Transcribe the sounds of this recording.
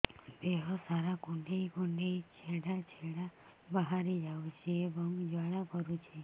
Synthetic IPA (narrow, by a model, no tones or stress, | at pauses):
beɦosaɾaɡũɳɖeikuɳɖeit͡ʃʰeɽat͡ʃʰeɽa | bəɦaɾid͡ʒaʋut͡ʃʰeːbəŋɡd͡ʒaɽapəɾũt͡ʃʰe